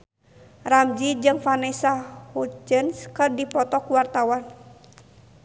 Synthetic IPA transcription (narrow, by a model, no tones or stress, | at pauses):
ramd͡ʒid͡ʒɨŋfanɛsahud͡ʒənskɨrdipɔt̪ɔkuwart̪awan